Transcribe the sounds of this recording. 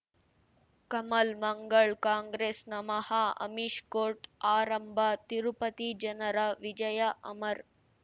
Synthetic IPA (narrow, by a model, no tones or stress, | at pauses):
kɐmɐlmɐŋɡɐɭkaːŋɡɾeːsnɐmɐhaːɐ̰miʃkoːɾʈaːɾɐmbʱat̪iɾupɐt̪id͡ʒɐnɐɾɐʋid͡ʒɐjɐʔɐmɐɾ